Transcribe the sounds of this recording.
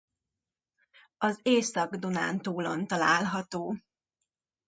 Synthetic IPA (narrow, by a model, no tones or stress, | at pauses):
ɒzeːsɒɡd̪ona̰ːnt̪oːlo̞̰nt̪ɒlaːlɦɒt̪oː